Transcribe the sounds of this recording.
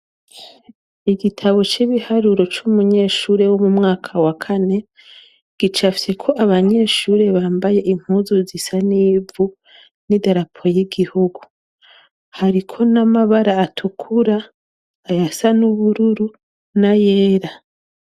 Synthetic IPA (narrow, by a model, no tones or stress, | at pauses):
iɡitʰaβo̞t͡ʃiβihaɾuɾo̞t͡ʃumuɲe̞ːʃuːɾe̞womumŋaːkʰawakʰane̞ | ɡ̥it͡ʃafi̥se̞kʰo̞ʔaβaɲe̞ːʃuːɾe̞βaːmbaje̞ʔim̥huːzuzisaniːvu | nidaɾapʰo̞jiɡihuɡu | haɾikʰo̞namaβaɾaːtʰukʰuɾaː | jasanuβuɾuɾu | najeːɾa